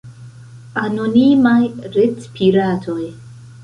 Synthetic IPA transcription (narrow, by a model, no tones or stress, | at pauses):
anonimajɾet͡spʰiɾatʰo̞j